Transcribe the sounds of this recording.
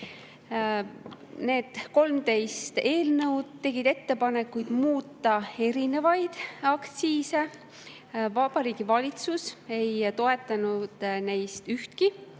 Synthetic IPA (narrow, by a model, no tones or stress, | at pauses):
ne̞ːd̪̥ko̞lmt̪e̞jst̪e̞ːlnɤ̞wd̪̥e̞ɡ̥id̪e̞t̪ːe̞pɑne̞kːujd̪̥muːt̪ːɑe̞ɾine̞vɑjd̪̥ɑkt̪siːse̞ | vɑb̥ɑɾiːɡ̥ivɑlʲit̪suse̞jt̪o̞e̞t̪ːˑɑnud̪̥ne̞jst̪yht̪ki